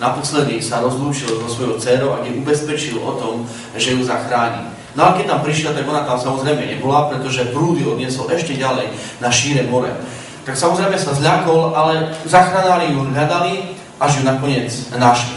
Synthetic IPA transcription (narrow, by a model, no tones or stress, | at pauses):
napɔslɛd̪isaɾɔzluːt͡ʃilzɔsʋɔjɔʊt͡sɛːɾɔʊaɡɲɛʔubɛspɛt͡ʃilɔ̰t̪ɔm | ʒɛjuzaxɾaːɲḭ | nɔalɛkɛc̚t̪ampɾiʃɪlat̪aɡɔnat̪amsamɔzɾɛjmɛɲɛbɔlapɾɛt̪ɔʒɛpɾuːd̪iɔd̪ɲɪɛsɔlʔɛʃcɛɟalɛj | naʃiːɾɛmɔɾɛ̰ | t̪aksamɔzɾɛjmɛsazʎakɔlalɛzaxɾanaɾijuʎad̪ali | ʔaʒjunakɔɲɪɛd͡znaʃli